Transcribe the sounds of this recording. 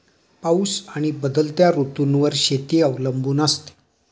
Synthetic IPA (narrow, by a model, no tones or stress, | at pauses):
pauːsaɽ̃ibəd̪əlt̪jaɾut̪unʋəɾɕet̪iəʋləmbʱuːnast̪e̥